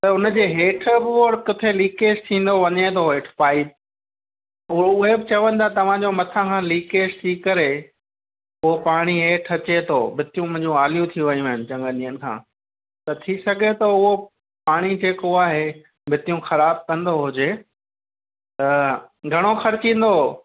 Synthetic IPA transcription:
t̪ɐʊnəd͡ʑeːɦeːʈʰbɪoːɽkʊt̪ʰeliːkeːʃt̪ʰĩːn̆d̪oʋɐɲet̪ʰoɦeːʈʰpaːip̚ | ʊʊɦebɪt͡ɕɐʋə̃n̆d̪ʰat̪ɐʋ̤ãd͡ʑomɐt̪ʰãkʰãːliːkeːʃt̪ʰikɐɾe | ʊɦopaːɽ̃iɦeːʈʰɐt͡ɕet̪ʰoːbʱɪt̪ijũmʊ̃ɪ̃ɲd͡ʑũaːlijũt̪ʰiʋɐjũaːɦɪnɪ̆t͡ɕɐ̃ŋɡəɗĩənɪ̆kʰã̰ː | t̪ɐt̪ʰisɐɡʱet̪ɐʊɦo | paːɽ̃id͡ʑeːkoaːɦe | bʱɪt̪ijũxɐɾaːb̚kɐ̃n̆d̪oɦʊd͡ʑeː | t̪ɐɡʱɐɽ̃oxɐɾɪt͡ɕĩːn̆d̪o

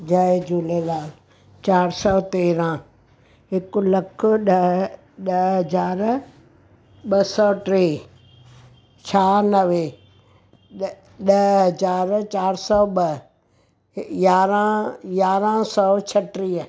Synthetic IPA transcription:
d͡ʒad͡ʑuːlelaːl | t͡ʃaːɾsɔːt̪eːɾã | ɦɪkʊlɐkʰʊɗə | ɗəɦɐzaːɾ | ɓɐsɔːʈɾiː | t͡ʃʰaːnəʋe | ɗəɦɐzaːɾt͡ɕaːɾsɔːɓə | jaːɾãjaːɾãsɔːt͡ʃʰəʈɾiː

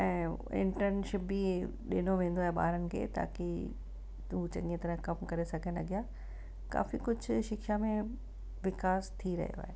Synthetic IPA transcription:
ɛ̃ːɪ̰̃ɳʈəɾnʃɪpːi | ɗɪnoʋẽːn̆d̪oaːɦeɓa̰ːɾənɪ̆kʰḛːt̪a̰ːki | ɦut͡ɕɐɠĩet̪ɐɾəɦkɐmkɐɾesɐɡʱənɐɡɪjaː | ka̰ːfikʊd͡ʑʱʊʃɪkʃamẽ | ʋɪkaːst̪ʰiɾɐ̰ɦijo̰a̰ːɦe

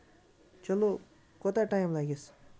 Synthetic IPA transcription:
t͡ʃʌlo | kɔt̪aʈajmlaɡes

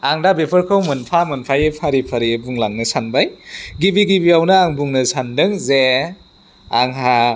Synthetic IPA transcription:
aŋdabepʰɯɾkʰɯwmɯnpʰamɯnpʰajepʰaɾipʰaɾibuŋlaŋnɯsanbajɡibiɡibiawnɯaŋbuŋnɯsandɯŋze | aŋɦa

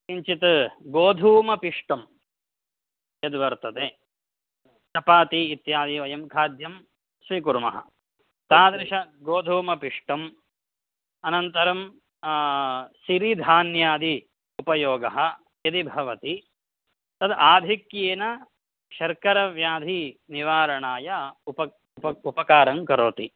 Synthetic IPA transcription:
iɲt͡ʃit̪ɐɡoːd̪ʱuːmɐpiʂʈɐm | jɐd̪ʋɐɾt̪ɐt̪e | t̪ɐpaːt̪iːt̪jaːd̪iʋɐjɐmkʰaːd̪jɐm | sʋikuɾmɐ̰ɦɐ̰ | t̪aːd̪ɾɪʃɐɡoːd̪ʱuːmɐpiʂʈɐm | ɐnɐnt̪ɐɾɐm | siɾid̪ʱaːnjaːd̪i | upɐjoːɡɐɦɐ̆ | jɐd̪ibʱɐʋɐt̪i | t̪ɐd̪aːd̪ʱikjeːnɐ | ʃɐɾkɐɾɐʋjaːd̪ʱiniʋaːɾɐɳaːjɐupɐ | pɐupɐkaːɾɐŋkɐɾoːt̪i

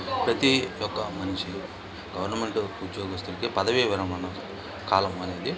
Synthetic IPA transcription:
pɾɐt̪ijɔkːɐmɐnt͡ʃi | ɡɐʋɐɾnɐme̞ɳʈuud̪joːɡist̪uɳʈeːpɐd̪ɐʋiʋiɾɐmɐnɐ | kaːlɐmɐne̞ːd̪i

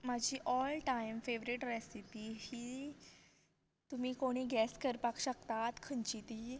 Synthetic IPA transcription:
mad͡ʑʱiːʔɔlʈajmfeʋɾiʈɾesipiːhiː | t̪umiːkoɽ̃iːɡɛskəɾpakɕəkt̪at̪kʰənt͡ɕit̪i

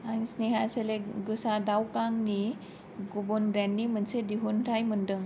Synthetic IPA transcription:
añisneɦaseleɡusãdawkãŋɡni | ɡubonbɾãnːim̤ənsed̪iɦunʈʰajm̤əɳɖəŋ

